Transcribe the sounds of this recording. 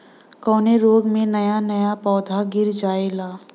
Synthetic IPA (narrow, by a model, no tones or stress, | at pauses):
kɔːneɾoːɡmẽnɐjanɐjapɔːd̪ʱaɡɪɾd͡ʒaːelaː